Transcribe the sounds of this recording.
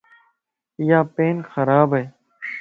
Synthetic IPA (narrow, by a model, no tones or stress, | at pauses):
jaːpeːnxəɾaːbeː